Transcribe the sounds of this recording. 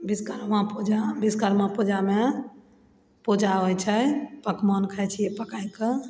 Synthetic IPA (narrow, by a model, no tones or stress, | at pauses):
biskəɾmãpud͡ʒabiskəɾmãpud͡ʒame | pud͡ʒaɦojt͡ʃʰəpəkmɔnkʰət͡ʃʰijepəkajkə